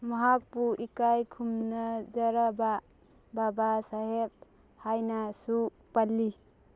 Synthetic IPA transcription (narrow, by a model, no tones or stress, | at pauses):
mʌɦak̚puʔikajkʰumnad͡ʒəɾaba | babasaɦeb̚ | hajnasu | palːi